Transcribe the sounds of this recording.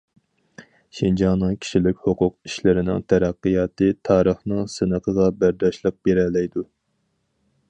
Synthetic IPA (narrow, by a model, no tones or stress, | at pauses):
ʃind͡ʒɑnɨŋkʲʰi̥ʃilɪk̚ʲhoqʰʊqiʃlɪɾɪnɪ̰ŋt̪ʰæɾæqːɨjɑːt̪ɨt̪ʰɑːɾəχnɨŋsɨnəqʰəʁɑbæɾd̪ɑʃlˠəq̚b̥eɾɛlɛjd̪u